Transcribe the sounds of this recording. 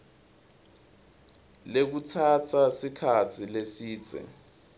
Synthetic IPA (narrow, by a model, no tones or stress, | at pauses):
lek̬utʰatʰasikʰat͡sʰilesiːt͡sʰʼɛ̰